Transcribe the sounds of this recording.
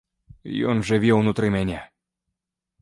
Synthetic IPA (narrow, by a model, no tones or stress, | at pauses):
jɔnʐɨvʲewnut̪ɾɨmʲɛnʲa